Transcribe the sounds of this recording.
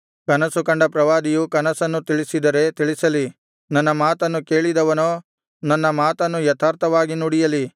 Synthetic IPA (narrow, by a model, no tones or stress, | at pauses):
kɐnɐsukɐɳɖɐpɾɐʋaːd̪ijukɐnɐsɐnːut̪iɭisid̪ɐɾe̞t̪iɭisɐli | nɐnːɐmaːt̪ɐnːuke̞ːɭid̪ɐʋɐnoː | nɐnːɐmaːt̪ɐnːujɐt̪ʰaːɾt̪ʰɐʋaːɡinuːɽijɐli